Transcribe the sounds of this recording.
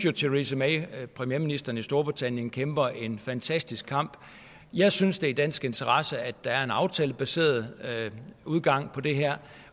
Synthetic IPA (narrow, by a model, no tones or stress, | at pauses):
jo̝t͡sʰeʁisəmeɪpʰʁɛmieːɐminisd̥ɐn̩isd̥o̝ɐb̥ʁit͡sʰæn̰jənkʰemb̥ɐʔe̝nfænt͡sʰæsd̥isɡ̥kʰːɑ̈m̰b̥ | jɑ̈ɪsynsd̥e̝id̥æn̰sɡ̥e̝nt͡sʰɐʁɑsəæd̥ɑ̈æɐe̝nɑ̈ʊt͡sʰɛ̰ːləb̥æse̝̰ːɐð̩ˠ | uð̞ˠɡ̥ɑ̈ŋ̰pʰɒ̽d̥e̝ɦæɐ̰